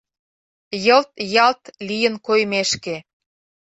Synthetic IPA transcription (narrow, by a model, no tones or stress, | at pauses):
jɤlt̪jɑlt̪lijə̆nkojmeʃke